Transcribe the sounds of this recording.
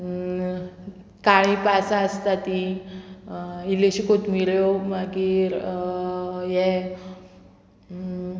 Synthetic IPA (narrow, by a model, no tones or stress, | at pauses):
kaɭ̃ĩpasaəst̪at̪i | iliɕikot̪miɭjomaɡiɾ | jɛ